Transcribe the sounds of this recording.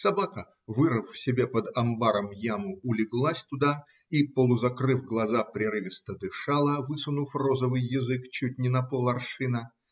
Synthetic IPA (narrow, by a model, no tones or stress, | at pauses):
sɐbakə | vɨɾɨffsʲɪbʲepəd̪ɐmbaɾəmjamʊʊlʲɪɡlˠasʲt̪ʊd̪a | ipəlˠʊzɐkɾɨfɡlˠɐzapɾʲɪɾɨvʲɪst̪əd̪ɨʂalˠəvɨsʊnʊfrozəvɨjːɪzɨkt͡ɕut̚ʲnʲɪnɐpolˠɐrʂɨnə